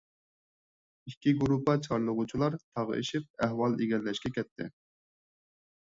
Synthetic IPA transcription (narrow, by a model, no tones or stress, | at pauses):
ikʲːiɡuɾupʰɑt͡ʃʰɑɾlˠəʁʊt͡ʃʰilˠɑɾt̪ʰɑʁ̰ḭʃip̚ɛɦwɑlˠiɡʲɛlːɛʃkʲɛkʲʰɛt̪ʰːɪ̰